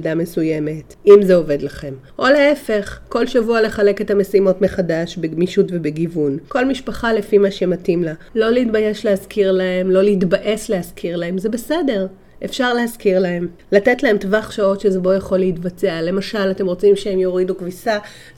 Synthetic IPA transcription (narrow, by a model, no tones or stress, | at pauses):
dame̞suje̞me̞t | imzeo̞ve̞dlaχe̞m | ʔo̞le̞efe̞χko̞lʃavuale̞χale̞ke̞thame̞simo̞tme̞χadaʃbemiʃutve̞beɡivunko̞lmiʃpaχale̞fimaʃematimlalo̞liːtbaje̞ʃlehaskʰiʁlae̞mlo̞liːtbaʔe̞sleaskʰiʁlaemze̞be̞se̞de̞ʁ | ʔefʃaʁleɦaskiʁlahe̞m | late̞tlae̞mtvaχʃao̞tʃezebo̞jaχo̞leitbat͡seale̞maʃalate̞mʁo̞t͡simʃeemjo̞ʁidukvisa